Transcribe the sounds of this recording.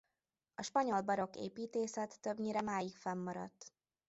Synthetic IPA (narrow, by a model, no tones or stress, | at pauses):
ɒʃpɒɲo̞lbɒɾo̞kḛːpiːt̪eːsɛt̪ːø̞bɲiɾɛmaːjikfɛmːɒɾɒ̰t̪ː